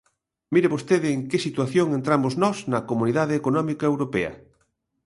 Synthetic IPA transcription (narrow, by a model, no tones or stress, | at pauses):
miɾɪβost̪eðɪeŋkesit̪waθjoŋent̪ɾamoznɔsnɐkomuniðaðɪːkonɔmikɐewɾopɛɐ̰